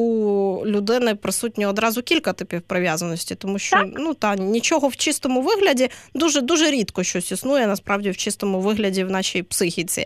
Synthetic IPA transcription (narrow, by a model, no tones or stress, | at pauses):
ulʲʊd̪ɪnɪpɾɪsut̚ʲnʲiɔd̪ɾɑzʊkʲilʲkɐt̪ɪpʲiwpɾɪʋʲjazɐnɔsʲtʲit̪ɔmuʃt͡ʃɔnut̪ɑnʲit͡ʃɔɦɔwt͡ʃɪst̪ɔmʊʋɪɦlʲɐdʲid̪uʒɛd̪uʒɛɾʲit̪kɔʃt͡ʃɔsʲisnujɛnɐspɾɑwdʲiwt͡ʃɪst̪ɔmʊʋɪɦlʲɐdʲiwnɑʃijpsɪxʲit͡sʲḭ